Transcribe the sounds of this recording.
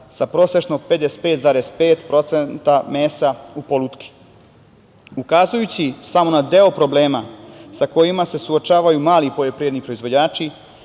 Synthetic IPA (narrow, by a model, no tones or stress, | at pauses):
sapɾo̞ːse̞ʃnoped̪espeːt̪zaːɾespeːt̪pɾo̞t̪sent̪ameːsaupo̞lˠut̪kʰi̥ | ukazujut͡ɕisamo̞nad̪e̞o̞pɾo̞ble̞ːmasako̞jimase̞suot͡ʃaːʋajumaːlipo̞ʎo̞pɾiʋed̪nipɾo̞izʋo̞d͡ʑaːt͡ʃi